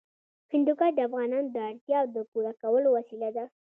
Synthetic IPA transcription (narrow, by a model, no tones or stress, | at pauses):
hɪnd̪ukɑɖ̪afɣɑnɑnd̪əaɽt̪jɑwd̪əpuɾakawəlowasilad̪a